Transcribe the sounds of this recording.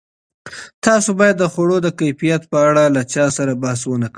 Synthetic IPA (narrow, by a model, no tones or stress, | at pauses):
t̪ɑsobɑjad̪ːəxoɽod̪əkajfijat̪̚pəaɽalat͡ʃɑsaɾabahas̬wənak